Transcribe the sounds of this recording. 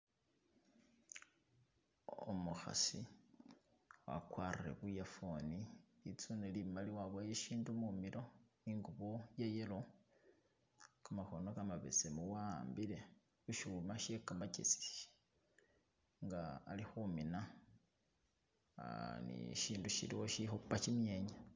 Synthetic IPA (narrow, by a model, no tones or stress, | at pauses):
o̰muxa̰si | wa̰kwaːrire̞̰βujafo̞nilit͡sunelimaliwaβajeʃiːndumumiɾo̞niŋɡuβojejelo̞ | kamaxo̞nokamaβḛt͡semuwaːmbile̞ | uʃumaʃekamacet͡si̥ʃ | ŋɡa̰ːlixumina | nḭʃiːnduʃḭlḭwo̞ʃixupːat͡ʃimje̞ːɲa